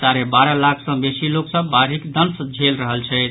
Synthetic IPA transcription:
t͡ʃaɾebaɾəlakʰsə̃besiloksəbːaɾɦikd̪ənsd͡ʒʱelɾəɦəlt͡ʃʰɛɪt̪

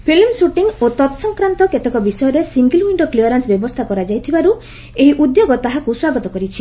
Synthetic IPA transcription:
pʰilmsuʈiŋot̪ɔt̪ɔsɔŋkɾant̪ɔket̪ekɔbisɔjɔɾesiŋɡilwiɳɖɔkliɔɾansbjɔbɔst̪ʰakɔɾad͡ʒajt̪ʰibaɾu | eɦiʔud̪joɡɔt̪aɦakuswaɡɔt̪ɔkɔɾit͡ʃʰi

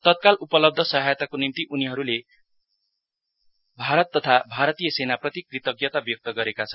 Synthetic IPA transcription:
t̪ʌt̪̚kalʔupʌlʌb̚d̪ʱʌsʌɦajt̪akonimt̪iʔuniɦʌɾule | bʱaɾʌt̪ːʌt̪ʰabʱaɾʌt̪ijʌsenaprʌt̪ikrit̪ʌɡjʌt̪abjok̚t̪ʌɡʌɾekat͡sʰʌn

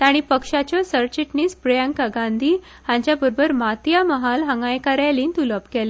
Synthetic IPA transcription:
t̪aɽ̃ipəkʂat͡ɕjɔsəɾt͡ɕiʈniːspɾjəŋkaɡãnd̪ʱiː | hãɲt͡ɕjabəɾbəɾmat̪jaməɦalɦəŋɡajkaɾjaliːnt̪uləpkɛle

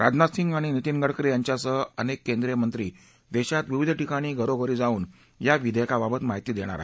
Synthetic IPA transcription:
ɾad͡ʑnasiŋɡaɽ̃init̪inɡəɽkɾijaɲt͡ɕjasəənekːend̪ɾijemənt̪ɾiː | d̪ɛɕat̪ʋiʋid̪ʱʈikaɽ̃iːɡʱəɾoɡʱəɾid͡zauːn | jaʋid̪ʱekababət̪maɦit̪jid̪eɽ̃a̰ɾa̰ɦe

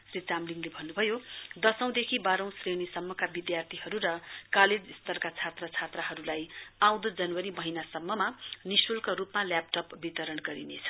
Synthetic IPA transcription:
srit͡samliŋlebʱʌnːubʱʌjod̪ʌsʌ̃w̃d̪ekʰibaɾʌ̃w̃srenisʌmːʌkabid̪jart̪ʰiɦʌɾuɾʌkaled͡zist̪ʌrkat͡sʰat̪rʌt͡sʰat̪rʌɦʌɾulajaw̃d̪od͡zʌnwʌɾimʌɦinasʌmːʌmanisulkoɾupmalap̚ʈʌpbit̪ʌɾʌnɡʌɾḭnet͡sʰʌ̥

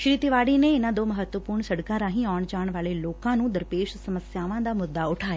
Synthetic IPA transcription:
ʃɾiːt̪iʋaːɽinẽɪnãd̪oːmɐɦət̪ːʋəpuːɾɳ̃sɐɽkãɾãːɦĩaːʋəɽ̃d͡ʑaːəɽ̃ʋaːɭeloːkãnũːd̪ɐɾpeːʃsɐməsjaːʋãd̪amʊd̪ːaʊʈʰaːe

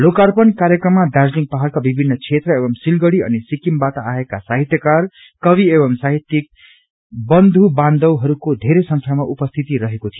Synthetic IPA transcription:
lokarpʌnkaɾjʌkrʌmːadad͡zliŋɡ̚paɦʌlkabibʱinːʌt͡sʰet̪rʌebʌmsilɡʌɽiʌ̰nisikimbat̪aaekasaɦit̪jʌkar | kʌbiebʌmsaɦit̪ːjik̚ | bʌnd̪ʱubãnd̪ʌwɦʌɾukod̪ʱeɾesʌŋkʰamaʔupʌst̪ʰit̪iɾʌɦekot̪ʰijo

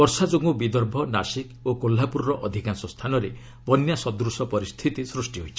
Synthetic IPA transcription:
ɔɾsad͡ʒoɡubid̪ɔɾbʱɔnasikokolːapuɾːɔʔɔd̪ʱikansɔst̪ʰanɔɾe | bɔnjasɔd̪ɾusɔpɔɾist̪ʰit̪isɾusʈiɦojt͡ʃʰi

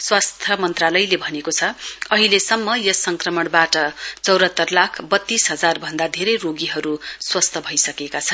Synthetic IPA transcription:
swast̪ʰʌmʌnt̪ralʌjlebʱʌnekot͡sʰʌʌɦilesʌmːʌjʌsʌŋkrʌmʌɽbaʈʌt͡sʌwɾʌt̪ːʌrlakʰbʌt̪ːisɦʌd͡zarbʱʌnd̪ad̪ʱeɾʌjroɡiɦʌɾuswʌst̪ʰʌbʱʌjsʌkekat͡sʰʌn

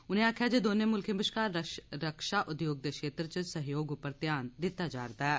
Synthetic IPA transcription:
ʊnẽaːkʰjaːd͡ʒeːd̪oːneːmʊlkʰembɪʃkaːəɾəkʃaːʔʊd̪joːɡ̚d̪ekʃeːt̪ɾət͡ʃəsəɦjoːɡʊpəɾt̪jaːnd̪ɪt̪ːad͡ʒaːɾd̪aːɦɛː

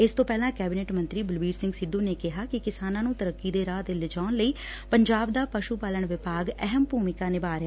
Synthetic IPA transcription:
ɪst̪õːpɛːlãːkɛːbɪneːʈmə̃nt̪ɾiːbʊlbiːɾsɪ̃ŋɡsɪd̪ũːneːkɪɦaːkɪkɪsaːnãːnũːt̪əɾəkːiːd̪eːɾaːt̪ːlɪd͡ʒaːnləiː | pəɲd͡ʒaːbd̪aːpəʃuːpaːləɳʋɪpaːɡɛɦəmpuːmɪkaːnɪbaːɾjaː

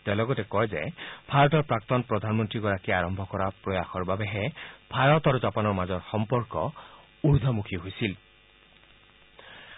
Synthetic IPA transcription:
t̪alɔɡɔtekɔjzeb̥ʱaɾɔtɔɾpɾak̚t̪ɔnpɾɔd̪ʱanmɔnt̪ɾiɡɔɾakiaɾɔmbʱɔkɔɾapɾɔjaxɔɾbabeɦebʱaɾɔt̪ɔɾud͡ʒapanɔɾmazɔɾxɔmpɔɾkɔ | uɾd̪ʱɔmukʰiɦojsil

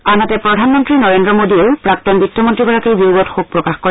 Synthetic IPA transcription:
anatɛpɹɔdʱanmɔntɹinɔɹendɹɔmodiɛpɹak̚tɔnbitʰːɔmɔntɹiɡɔɹakejbiwɡɔtxuk̚pɹɔkaxkɔɹɛ

